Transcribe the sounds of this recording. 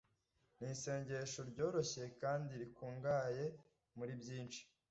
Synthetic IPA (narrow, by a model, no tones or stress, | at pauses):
niːse̞ːɲɟe̞ʃoɾɟo̞ːɾo̞çeje̞kaːndiɾikuːŋɡaːje̞ | muɾibjiːnt͡ʃi̥